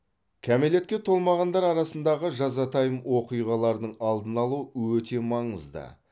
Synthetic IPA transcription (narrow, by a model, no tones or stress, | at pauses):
kʲʰæme̞le̞t̪̚kʲe̞t̪ʰo̞lˠmɑʁɑnd̪ɑɾɑɾɑsənd̪ɑʁəʒɑzɑt̪ʰɑjəmwo̞qijʁɑlˠɑɾəd̪əɴɑlˠd̪ənɑlˠuəwɵt̪e̞mɑɴəzd̪ə̰